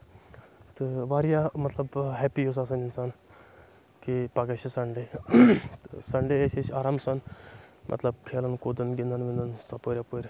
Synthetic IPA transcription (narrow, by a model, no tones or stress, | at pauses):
t̪ɨʋaːɾjamɐt̪lɐbɦɛːpijos̬aːs̬ɐnʲinsan | kipɐket͡ʃʰisɐɳɖe | t̪ɨ̰sɐɳɖeet͡ʃʰet͡ʃaːɾaːmsɐnmʔɐ̰t̪lɐb̚kʰeːlɐnkoːd̪ənɡind̪ənʋind̪ənsapoːɾʲapoːɾʲ